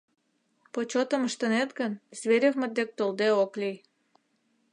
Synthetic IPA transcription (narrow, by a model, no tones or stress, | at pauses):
pot͡ɕot̪əməʃt̪ənet̪ɡənzβeɾʲevmə̆t̪̚d̪ek̚t̪old̪eoklyj